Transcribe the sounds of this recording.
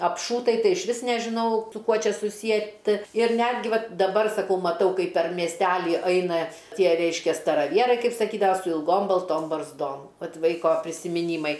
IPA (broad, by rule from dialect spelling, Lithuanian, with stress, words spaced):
ɐpˈʃuːtɐɪ ˈtɐɪ ɪʃʲˈʋʲɪs nʲɛʒʲɪˈnɐʊ sʊ ˈkuɔ ˈt͡ʃʲɛ sʊˈsʲiɛtɨ ɪr ˈnʲæːdʲɡʲɪ ˈʋɐt dɐˈbɐr sɐˈkɐʊ mɐˈtɐʊ ˈkɐɪp pʲɛr mʲiɛsʲˈtʲæːlʲɪ ˈɐɪnɐ ˈtʲiɛ ˈrʲɛɪʃʲkʲɛ stɐrɐˈʋʲiɛrɐɪ ˈkɐɪp sɐˈkʲiːdɐʋɐ sʊ ɪlˠˈɡoːm bɐlˠˈtoːm bɐrzˈdoːm ˈʋɐt ˈʋɐɪkoː pʲrʲɪsʲɪmʲɪˈnʲiːmɐɪ